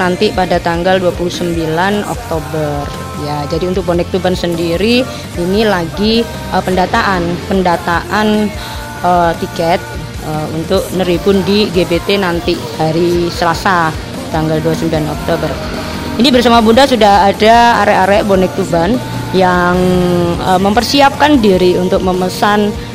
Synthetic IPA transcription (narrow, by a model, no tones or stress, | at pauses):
nant̪ipadat̪aŋɡalduapuluhsəmbilanɔ̰k̚t̪obər | jad͡ʒadiunt̪ʊk̚bonɛk̚t̪ubansəndiɾi | inilaɡi | əpəndat̪aʔanpəndat̪aʔan | ət̪ikɛt̪̚ | əunt̪ʊk̚nəɾipʊndiɡebet̪enant̪i | haɾisəlasa | t̪aŋɡalduasəmbilanɔ̰k̚t̪obər | inibərsamabundasudaɦadaa̰ɾɛʔaɾɛʔbonɛk̚t̪uban | jaŋəməmpərsiap̚kandiɾiunt̪ʊk̚məməsan